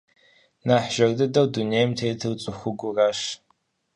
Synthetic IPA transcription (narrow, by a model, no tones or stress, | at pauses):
naːħʒ̥ɐrdɨdɐwduneːjmtʰeːtʰɨrt͡sʼʊxʷʊɡʷʊrɐʃ